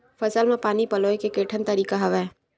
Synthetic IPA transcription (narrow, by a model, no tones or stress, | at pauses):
fʰɐsəlmẽpaːnipɐloːekekeːʈʰənt̪əɾiːkaɦɐʋɛ